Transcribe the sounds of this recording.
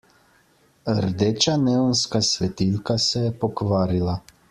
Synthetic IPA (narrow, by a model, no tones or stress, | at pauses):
əɾd̪eːt͡ʃaneːwnskasʋɛt̪ilkasɛjɛpɔkʋaːɾila